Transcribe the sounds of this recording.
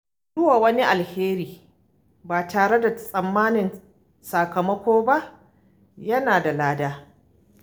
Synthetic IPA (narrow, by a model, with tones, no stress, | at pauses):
zʊ˦waː˨wɐ˦ni˦ʔa˨lheː˦ɾiː˨ | baː˨taː˨ɽe˦da˨sʼɐ˨mːaː˦nɪ˨n | sa˨kɐ˨mɐ˦kʷoː˦ba˦ʔ | jɐ˦naː˨da˨laː˦daː˦